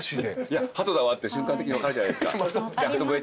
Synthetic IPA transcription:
ɕid̪eijahat̪o̞d̪aβat̪ːeɕɨ̃ŋkant̪ekiɲiβakaɾed͡ʑanajd̪eska̰d̪ehat̪obɯe

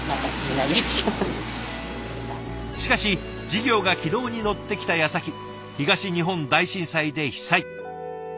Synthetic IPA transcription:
nãkainaɾʲi̥o | a | ɕi̥kaɕi | d͡ʑiɡʲo̞ːɡakʲid̪o̞ːɲ̟ino̞t̪ːe̞kʲi̥t̪ajasakʲi | çiɡaɕiɲ̟iɦõ̞nd̪aiɕĩɰ̃said̪e̞çi̥sai

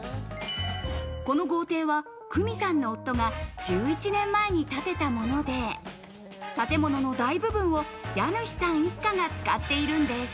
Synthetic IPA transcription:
ko̞no̞ɡo̞ːt̪e̞ːβa | kʰɯ̟mʲisãnːo̞ːt̪ːo̞ɡad͡ʑɨːit͡ɕinẽ̞mːae̞ɲ̟it̪at̪e̞t̪amo̞no̞d̪e̞ | t̪at̪e̞mo̞no̞no̞d̪aibɯ̟bɯ̟̃ɰ̃o̞janɯ̟çʲi̥sãɰ̃ikːaŋat͡sɨ̥ka̰t̪ːe̞iɾɯ̟̃nd̪e̞s

